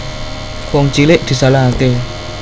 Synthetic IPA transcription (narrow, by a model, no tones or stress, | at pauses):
koŋt͡ʃileʔd̪̥i̤salaake